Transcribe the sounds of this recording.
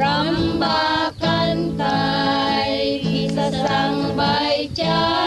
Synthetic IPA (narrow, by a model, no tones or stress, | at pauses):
ambakant̪a | jɡisasaŋbajt͡ʃa